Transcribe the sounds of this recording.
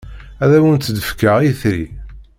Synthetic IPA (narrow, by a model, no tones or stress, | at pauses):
æðæwənt̪ːd̪əfkəʁiθɾḭ